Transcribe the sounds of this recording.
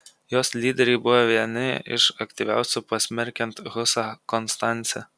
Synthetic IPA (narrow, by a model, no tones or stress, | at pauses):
joːslʲiːd̪ʲɛɾʲɛɪbʊʋoʋʲiɛnʲɪɪ̰ʃɐkʲt̪ʲiˑʋʲæ̰ˑʊsʲʊpɐsʲmʲɛɾʲkʲɛnt̪ɣʊsɑkɔnst̪ɑˑnʲt̪sʲɛ